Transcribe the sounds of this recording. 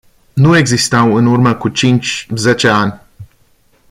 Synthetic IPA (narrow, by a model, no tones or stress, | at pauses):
nue̞ɡzist̪awɨnurməkut͡ʃint͡ʃʲze̞t͡ʃe̞anʲ